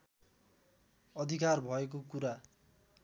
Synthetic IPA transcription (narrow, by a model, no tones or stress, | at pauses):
ʌd̪ʱikarbʱʌek̬okuɾa